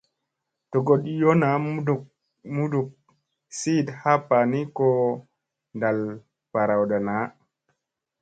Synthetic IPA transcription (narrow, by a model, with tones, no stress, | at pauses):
tɔ˨ɡoɗijɔ˦na˨ | mu˦duk̚ | si˦dha˦pani˦kɔ | ndal | pa˨ɾawɗa˨na˦